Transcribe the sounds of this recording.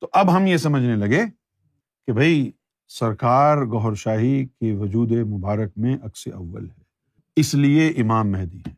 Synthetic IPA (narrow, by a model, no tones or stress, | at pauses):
t̪oʔɐbɦɐmjesɐməd͡ʒʱnelɐɡe | kebʱɐi | sɐɾkaːɾɡɔɦɾʃaːɦikeʋɐd͡ʒuːd̪emʊbaːɾək̚mẽʔɐksḛʔɐʋːə̰lɦɛː | ɪslieʔɪmaːmːɛɦd̪iɦɛː